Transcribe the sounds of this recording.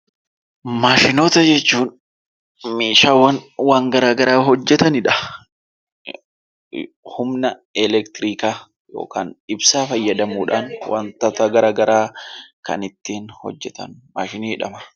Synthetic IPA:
maːʃɪnoːt̪ɐd͡ʒɛt͡ʃːuːn | miːʃaːwɐnwaːŋɡɐɾaːɡɐɾaːɦɔd͡ʒːɛt̪ɐnɪᶑɐ̥ | hʊmnɐɛlɛkt̪ɾiːkaː | jo̰ːkʰa̰ːnɪbsaːfɐjːɐd̪ɐmuːᶑaːnwʔa̰nt̪ɐt̪ɐɡɐɾaːɡɐɾaːkɐ̰nɪt̪ːiːnhɔ̰d͡ʒːɛt̪ɐ̰nmaːʃɪniːɪᶑɐ̰mɐ̥

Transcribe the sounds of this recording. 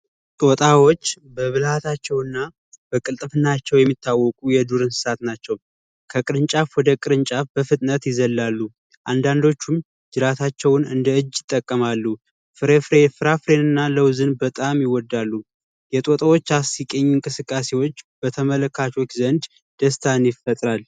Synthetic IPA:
t̪ʼo̞t̪ʼawo̞t͡ʃː | bəβɨlhat̪ʰat͡ʃːɛwɨnːa | bəkʼɨlt̪ʼɨfɨnːat͡ʃːɛwjɛmːit̪ʰːawːɔkʼujɛd̪uɾɨnsɨ̥sat̪nat͡ʃːɛw | kʰəkʼɨɾɨnt͡ʃʼafwɔd̪əkʼɨɾɨnt͡ʃʼafb̥əfɨt̪ʼnət̪jɪzəlːalːu | ʔand̪and̪o̞t͡ʃːum | d͡ʒɨɾat̪ʰat͡ʃːɛwnɨnd̪əɨd͡ʒːɪt̪ʼːəkʼːəmalːu | fɨɾefɾefɨɾafɾe̞nɨnːaləwzɨnbət̪ʼamjɪwɔd̪ːalːu | jɛt̪ʼot̪ʼəwot͡ʃːasikʼeɲːɪŋkʼɨsɨkʼːase̞wo̞t͡ʃːbət̪ʰəmələkːat͡ʃʰo̞t͡ʃːzənd̪ | d̪̥əst̪ʰanjɪfət̪ʼɾal

